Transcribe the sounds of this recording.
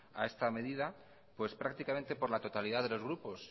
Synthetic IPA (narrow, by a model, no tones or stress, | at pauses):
a̰e̞st̪ame̞ðiða | pwe̞spɾak̚t̪ikamẽ̞nt̪e̞po̞ɾlat̪o̞t̪aliðaðe̞lo̞zɣɾupo̞s